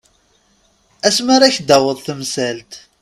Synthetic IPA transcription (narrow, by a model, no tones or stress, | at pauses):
æsmaɾaçd̪æwəðˤθəmsælt̪